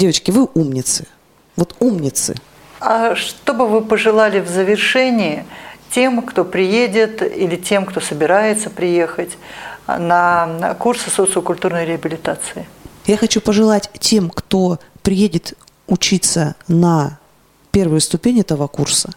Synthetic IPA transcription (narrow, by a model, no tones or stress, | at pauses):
dʲevət͡ɕkʲɪvɨʔumnʲɪt̪sɨ̥ | vo̞t̪umnʲɪt̪sɨ̰ | aʂt̪o̞bɨvɨpəʐɨlˠalʲɪvzəvʲɪrʂɛnʲɪɪtʲe̞mkt̪o̞pɾʲɪjedʲɪt̪ilʲɪtʲe̞mkt̪o̞səbʲɪɾajɪt̪səpɾʲɪje̞xətʲnəkursɨsot̪sɨəkʊlʲt̪urnəjɾʲɪəbʲɪlʲɪt̪at̪sɨɪjaxɐt͡ɕupəʐɨlˠatʲtʲe̞mkt̪o̞pɾʲɪjedʲɪt̪ | ʊt͡ɕit̪sənɐ | pʲe̞rvɨjʊst̪ʊpʲenʲɛt̪əvəkursə